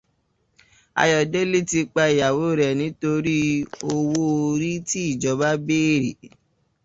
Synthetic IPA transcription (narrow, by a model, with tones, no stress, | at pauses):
a̰˧jɔ˨de˦li˦ti˧k͡pa˧i˨ja˨wo˨˦ɾɛ˨nĩ˨˦to˧ɾi˦o˧wo˦o˧ɾi˦ti˦i˦˨d͡ʒɔ˨˦ba˦beː˦˨ɾi˨